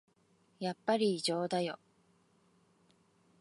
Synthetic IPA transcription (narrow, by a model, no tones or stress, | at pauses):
japːaɾʲiːʑo̞ːd̪ajo̞̰